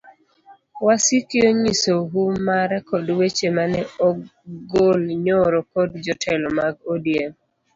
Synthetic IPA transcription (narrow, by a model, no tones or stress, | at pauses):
wasikjoɲisoɦumaɾɛkɔdwet͡ʃemanɛɔɡolɲɔɾɔkɔdd͡ʒɔtʰɛlɔmaɡodijem